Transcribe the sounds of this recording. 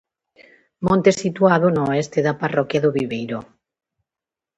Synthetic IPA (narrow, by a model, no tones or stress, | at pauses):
mõnt̪esit̪uaðonooɛst̪eðaparɔkjaðoβiβejɾo